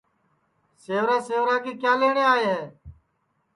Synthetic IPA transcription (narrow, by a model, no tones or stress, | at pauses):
seːʋɾãːseːʋɾãːkeːkjaːleːɳeːaːɦeːɦeː